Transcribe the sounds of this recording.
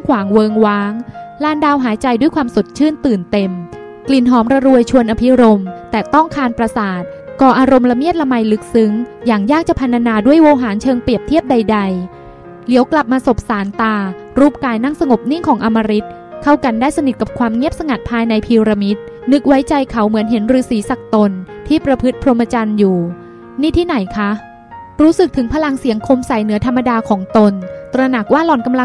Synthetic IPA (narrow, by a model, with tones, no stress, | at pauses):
mkʰwaː˩˦ŋwɤː˧ŋwaː˦˥ŋlaː˧ndaː˧wɦaː˩˦jt͡ɕa˧jdu˥˩əjkʰwaː˧mso˨˩t̪̚t͡ɕʰɯː˥˩nt̪ɯː˨˩nt̪e˧m | kli˨˩nɦɔː˨˦˥mɾa˧ɾu˧əjt͡ɕʰu˧ənʔa˧pʰi˦˥ɾo˧mt̪ɛː˨˩t̪ɔ˥˩ŋkʰaː˧npɾa˧saː˨˩t̪̚kɔː˧ʔaː˧ɾo˧mla˧mi˥˩t̪̚la˧ma˧jlɯ˦˥k̚sɯ˦˥ŋjaː˨˩ŋjaː˥˩k̚t͡ɕa˨˩pʰa˧nt̪ʰa˧naː˧du˥˩əjwoː˧ɦaː˩˦nt͡ɕʰɤː˧ŋpli˨˩əp̚t̪ʰi˥˩əp̚da˧jda˧j | li˩˦wkla˨˩p̚maː˧so˨˩p̚saː˩˦nt̪aː˧ | ɾuː˥˩p̚kaː˧jna˥˩ŋsa˧ŋo˨˩p̚ni˥˩ŋkʰɔː˩˦ŋʔa˧mːaː˧ɾi˦˥t̪̚ | kʰa˥˩wka˧ndaː˥˩jsa˧ni˨˩t̪̚ka˨˩p̚kʰwaː˧mŋi˥˩əp̚sa˧ŋa˨˩t̪̚pʰaː˧jna˧jpʰiː˧ɾa˧mi˦˥t̪̚ | nɯ˦˥k̚wa˦˥jt͡ɕa˧jkʰa˨˩˦wmɯ˩˦ənɦe˩˦nɾɯː˩˦siː˩˦sa˨˩k̚t̪o˧nt̪ʰiː˥˩pɾa˧pʰɯ˦˥t̪̚pʰɾo˧ma˧t͡ɕa˧njuː˨˩ | niː˥˩t̪ʰiː˥˩na˩˦jkʰa˦˥ | ɾuː˦˥sɯ˨˩k̚t̪ʰɯ˩˦ŋpʰa˧la˧ŋsi˨˩˦əŋkʰo˧msa˨˩jnɯ˩˦ɐt̪ʰa˧mːa˧daː˧kʰɔː˩˦ŋt̪o˧nt̪ɾa˧na˨˩k̚waː˥˩lɔː˨˩nka˧mla˧